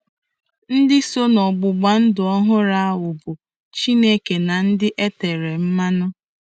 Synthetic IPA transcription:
n̩˦dɪ˦so˦nɔ˨ɡ͡bʊ˨ɡ͡ba˨n̩˦dʊ˨ɔ˦ɦʊ˦ɾa˦a˦wʊ˨bʊ˨ | t͡ʃi˦ne˦ke˨na˨n̩˦dɪ˦ʔe˦te˨ɾe˨m̩˦ma˦nʊ˦

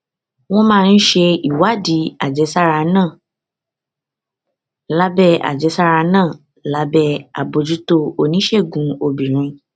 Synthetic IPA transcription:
w̃ɔ̃˦mãː˦˧n̩˦ʃe˧i˨wa˦˨di˨˦a˨d͡ʒɛ˨˧˦sa˦ɾa˧nãː˦˨ | la˦bɛ˦a̰˨d͡ʒɛ˨˧˦sa˦ɾa˧nãː˦˨ | la˦bɛ˦a˨bo˧d͡ʒu˨˦to˧o˧˨nĩ˨˦ʃe˦˨ɡũ˨˧o˧bĩ˨ɾ̃ĩ˧

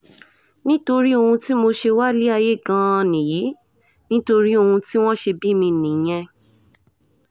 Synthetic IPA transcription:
nĩ˦to˧ɾi˦o˧hũ˧ti˦mo˧ʃe˧wa˦li˦a˧je˦˨ɡã˧nĩ˨ji˨˦ | nĩ˦to˧ɾi˦o˧hũ˧ti˦w̃ɔ̃˦ʃe˧bi˦mĩ˧nĩ˨j̃ɛ̃˧

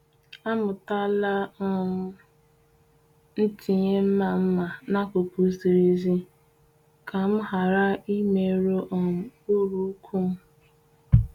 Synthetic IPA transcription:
a˦mʊ˨ta˦la˦ɔ˦ | n̩˦ti˨ɲe˦m̩˦ma˨m̩˦ma˨na˦kʷʊ˨pu˨˦si˨ɾi˦zi˦ | kʰa˨m̩˦ɦa˨ɾa˦i˦me˨ɾo˦ʔɔ˨m̩˨ʊ˦ɾu˨˦kʰʷu˦m̩˦

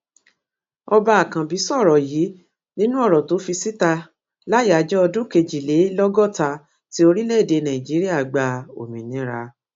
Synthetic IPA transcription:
ɔ˧ba˧a˨kã˨bi˨˦sɔ˦˨ɾɔ˨jiː˨˦ | nĩ˦nũ˦ɔ˦˨ɾɔ˨to˨˦fi˧si˦ta˧ | la˦ja˨d͡ʒɛ˦ɔ˧dũ˦ke˧d͡ʒi˨le˨˦lɔ˦ɡɔ˦˨ta˧ | ti˦o˧ɾi˦le˦e˨de˧nã˨ĩ˨d͡ʒi˨˦ɾi˦a˦˨ɡ͡ba˧o̰˨mĩ˨nĩ˨˦ɾa̰˧

